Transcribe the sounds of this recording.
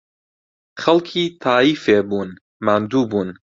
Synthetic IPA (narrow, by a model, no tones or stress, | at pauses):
xɐlkʰiːt̪ʰɑːiːfeːbuːn | maːnd̪uːbuːn